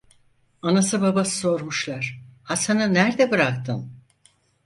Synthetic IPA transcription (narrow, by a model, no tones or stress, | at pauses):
anasɯbabasso̞ɾmuʃlˠaɾ̥hasanɯnæɾd̪ɛbɯɾak̚t̪ʰɯm